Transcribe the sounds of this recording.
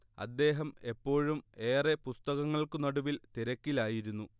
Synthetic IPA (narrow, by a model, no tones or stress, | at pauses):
ɐ̰d̪ːe̞ːɦɐme̞pːo̞ːɻume̞ːrepust̪ɐɣɐŋːɐɭkɨnoɽuʋilt̪iɾɐkʲːilaːjiɾunːu